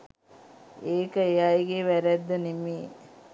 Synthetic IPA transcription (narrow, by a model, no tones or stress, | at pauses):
eːkəejaiɡeʋæɾæd̪ːənemiː